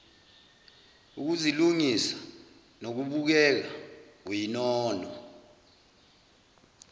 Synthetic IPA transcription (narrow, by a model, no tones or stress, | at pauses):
uk̬uziluŋisḁ | nok̬uɓuk̬ɛk̬awinɔːnɔ